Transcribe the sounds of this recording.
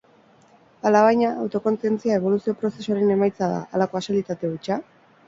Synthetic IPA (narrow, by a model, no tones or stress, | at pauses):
alaβajɲaːwt̪o̞ko̞nt͡sient͡siae̞β̞o̞lusio̞pɾo̞se̞soaɾe̞ne̞majt͡saða̰alako̞asilit̪at̪e̞ujt͡ʃa